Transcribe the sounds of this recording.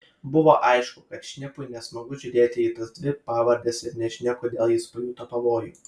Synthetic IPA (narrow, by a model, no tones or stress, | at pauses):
bʊʋoːʔɐɪʃkʊkɐt̪ʃʲnʲɪpʊɪnʲɛsmɐɡʊʒʲʊɾʲeːt̪ʲɪiːt̪ɐsd̪ʲʋʲɪpɑːʋɐɾʲd̪ʲɛːsɪɾnʲɛʃʲnʲɛkoːd̪ʲeːlˠjɪspɐjʲuːt̪ɐpɐʋoːjṵː